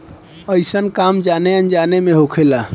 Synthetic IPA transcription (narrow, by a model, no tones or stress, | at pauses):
əjsənkamd͡ʒaneənd͡ʒanemeɦokʰela